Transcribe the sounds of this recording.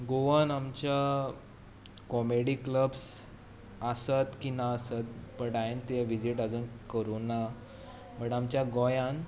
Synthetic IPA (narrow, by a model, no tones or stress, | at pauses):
ɡoʋənamt͡ɕa | kɔmeɽikləbs | əsət̪kinaəsət̪̚pəɳʈajnt̪eʋid͡ʑiʈad͡zuːnkəɾuna | məɳʈamt͡ɕjaɡɔjãn